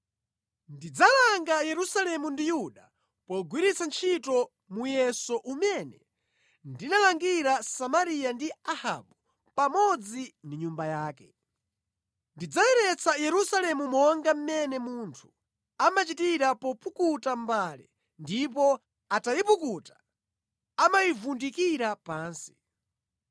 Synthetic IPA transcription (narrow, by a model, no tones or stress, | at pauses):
ndid͡zalaŋɡajɛɾusalɛmundijuɗa | pɔɡwiɾit͡sʰant͡ʃʰitɔ | mujɛsɔʔumɛnɛ | ndinalaŋɡiɾasamaɾijandiaha̰ɓu | pamɔd͡zindiɲumbajaːkɛ | ndid͡zawɛɾɛt͡sajɛɾusalɛmumɔŋɡam̩mɛnɛmuntʰu̥ | amat͡ʃitiɾapɔpukutambaːlɛ̰ | ndip̬ɔ | atajipukutḁ | amajivundikiɾapaːnsi̥